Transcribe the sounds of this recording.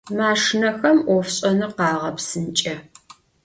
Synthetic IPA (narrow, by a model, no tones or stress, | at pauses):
maːʂnɐxɐmʔɔfɕʼɐnɨqɑːʁɐpsɨnt͡ʃʼɐ